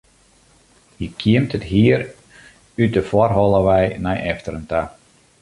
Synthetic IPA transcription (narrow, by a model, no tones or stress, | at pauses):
jəkʰiəmtətɦiəɾ | yt̚dəfɔrɦɔlˠəʋɛjnɛjʔɛftəɾənta